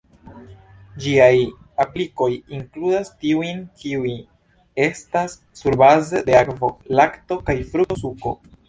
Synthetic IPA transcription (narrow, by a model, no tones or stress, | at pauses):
d͡ʒiaj | apliko̞jiŋkludastiujnkiui | e̞stasːuɾbazede̞akvo̞lakto̞kajfɾuosuko̞̰